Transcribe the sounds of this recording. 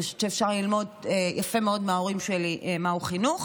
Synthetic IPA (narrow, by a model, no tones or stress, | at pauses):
aʃoʃeːfʃaʁlilmo̞dejʔafe̞meo̞dmeao̞ʁimʃeliʔemauχinuχ